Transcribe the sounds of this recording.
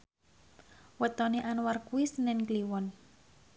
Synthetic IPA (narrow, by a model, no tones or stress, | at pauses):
wət̪ɔneʔanwarkuisənɛnkliwɔn